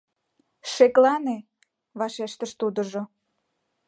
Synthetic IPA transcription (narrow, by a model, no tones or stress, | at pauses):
ʃeklɑne | βɑʃeʃt̪əʃt̪ud̪ə̆ʒo